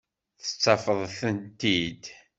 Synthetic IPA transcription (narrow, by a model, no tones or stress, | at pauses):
θə̥t͡sːɑfəðˤθənt̪id̪